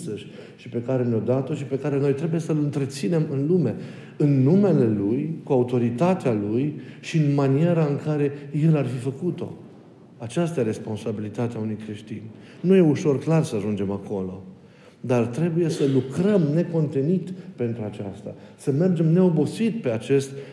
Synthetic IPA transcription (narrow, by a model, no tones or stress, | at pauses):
səʃʲ | ʃipe̞kaɾe̞nod̪at̪o̞ʃipe̞kaɾe̞no̞jt̪ɾe̞buje̞səlɨnt̪ɾe̞t̪sine̞mɨnlume̞ | ɨnːume̞le̞lujkuaut̪o̞ɾit̪at̪ealujʃiɨnmanije̞ɾaɨŋkaɾe̞je̞larfifəkut̪o̞̰ | at͡ʃast̪ajeɾe̞spo̞nsabilit̪at̪eaunujkɾe̞ʃt̪inʲ | nuje̞uʃo̞rklarsəaʒund͡ʒe̞mako̞lo̞̰ | d̪art̪ɾe̞buje̞səlukɾəmne̞ko̞nt̪e̞nit̪pe̞nt̪ɾuat͡ʃa̰st̪a̰səme̞rd͡ʒe̞mne̞o̞bo̞sit̪pe̞at͡ʃe̞st̪